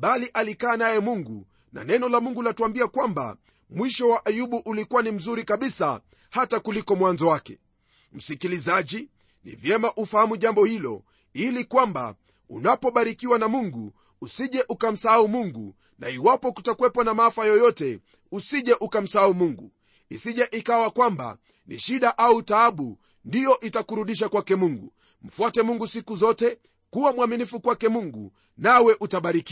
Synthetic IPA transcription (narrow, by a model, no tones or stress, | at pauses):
ɓaliʔalikaːnajɛmuŋɡṵ | na̰nɛnɔlamuŋɡulatuambiakwamba̰ | mwiʃɔwaʔajuɓuʔulikuwanim̩zuɾikaɓisa̰ | hatakulikɔmwanzɔwakɛ̥ | m̩sikilizaʄi | nḭvjɛmaʔufahamuʄambɔhilɔ̰ | ilikwamba̰ | ṵnapɔɓaɾikiwanamuŋɡu | usiʄɛʔukam̩saaumuŋɡṵ | na̰iwapɔku̥takuwɛpɔanamaafajɔjɔtɛ | usiʄɛʔukam̩saaumuŋɡu | isiʄaʔikawakwamba̰ | nḭʃiɗaʔautaaɓu | ndijɔʔitakuɾuɗiʃ̬akwakɛmuŋɡṵ | m̩fwatɛmuŋɡusikuzɔtɛ | kuwamwaminifukwakɛmuŋɡṵ | nawɛʔutaɓaɾiki